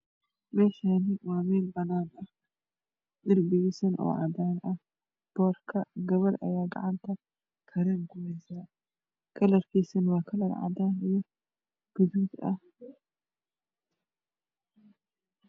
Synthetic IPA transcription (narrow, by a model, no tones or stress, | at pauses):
mɛːʃaːnɪwɑːmɛːlbɐnaːnɐh | d̪ɐrbɪɣisɐnʔɔ̰ːʕɑ̰d̪aːnɐh | b̥ɔːrkʰɐɡɐβɐɾʔɐ̰jaːɡɐ̰ʕant̪ʰɐ | kʰɐɾɛːŋkʰʊmɛsaː | kʰɐlɐrkʰiːsɐnwɑːkʰɐlɐrʕɑ̰d̪aːnijɔ | ɡ̥ʊðʊd̪ɐ̰h